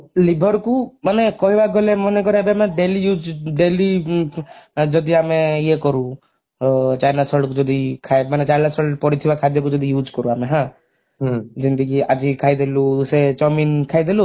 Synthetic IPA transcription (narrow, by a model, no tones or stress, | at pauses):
libʱɔɾkumanekɔɦibaɡɔlemɔnekɔɾiabiameɖelijud͡ʒɖeli | d͡ʒɔd̪iameiekɔɾũ | t͡ʃajnasɔɭɖkud͡ʒɔd̪ikʰamanet͡ʃajnasɔpɔɾit̪ʰibakʰad̪jɔkud͡ʒɔd̪ʱijud͡ʒkɔɾuaːmeɦã | d͡ʒind̪əɡiad͡ʒikʰaid̪eluuset͡ʃɔminkʰajd̪elu